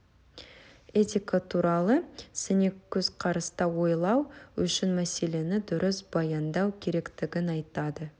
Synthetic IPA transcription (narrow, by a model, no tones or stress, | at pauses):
e̞t̪ʲijkat̪ʰuɾɑlˠəsɪnekʲʰːɵz̥qʰɑɾəst̪ɑwo̞jlˠɑwʏ̰ʃɪnmæse̞le̞nɪd̪ʊɾɪsbɑjɑnd̪ɑwkʲʰe̞ɾe̞kt̪ɪɡʲɪnɑjt̪ɑd̪ə